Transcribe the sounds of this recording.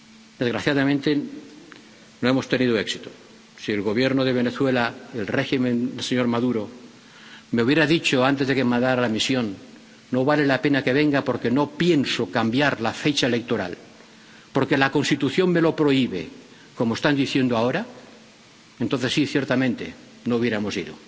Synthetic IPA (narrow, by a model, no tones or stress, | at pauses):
d̪̥e̞zɣɾaθjaðamẽnt̪e | noe̞mo̞st̪e̞nið̞oe̞ksit̪o̥ | sielɣo̞βje̞ɾnoð̞e̞β̞e̞neθwe̞laelre̞ximẽ̞nelseɲo̞ɾmaðuɾo̞ | meuβjeɾaðit͡ʃoant̪e̞zðe̞kemãnd̪aɾalamisjo̞nː | o̞βale̞lape̞nake̞βe̞ŋɡapo̞ɾke̞no̞pje̞nsokambjaɾlafet͡ʃaele̞k̚t̪o̞ɾa̰l | po̞ɾke̞lako̞nst̪it̪uθjo̞ŋme̞lo̞pɾo̞iβḛ | komoest̪and̪iθje̞nd̪oao̞ɾa | ent̪onθe̞sːiθjeɾt̪amẽnt̪e̞̰ | nouβjeɾamo̞sḭðo̰